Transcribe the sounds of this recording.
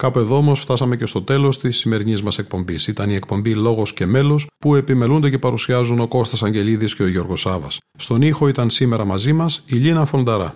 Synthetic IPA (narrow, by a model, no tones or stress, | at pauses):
kɐpue̞ðo̞omo̞sft̪ɐsɐme̞ce̞st̪o̞t̪e̞lo̞st̪isːime̞ɾinizmɐse̞k̚po̞mbisit̪ɐniekpo̞mbilo̞ɣo̞sce̞me̞lo̞spue̞pimelund̪ece̞pɐɾusiɐzuno̞ko̞st̪ɐsɐɲɟe̞liðisce̞o̞ʝo̞ɾɣosɐvɐ̰sːt̪o̞nixo̞it̪ɐnsime̞ɾɐmɐzimɐsiʎinɐfo̞nd̪ɐɾɐ̰